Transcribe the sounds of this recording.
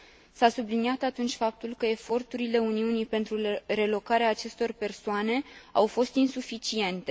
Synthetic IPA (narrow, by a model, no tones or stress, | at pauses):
sasubliniat̪at̪unt͡ʃʲfap̚t̪ulkəe̞fo̞rt̪uɾile̞uniunijpe̞nt̪ɾure̞lo̞kaɾeaːt͡ʃe̞st̪o̞rpe̞rsoane̞awfo̞st̪insufit͡ʃie̞nt̪e̞